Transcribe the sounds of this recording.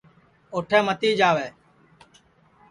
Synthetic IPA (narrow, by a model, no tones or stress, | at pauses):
oːʈʰẽːmət̪iːd͡ʒaːʋeː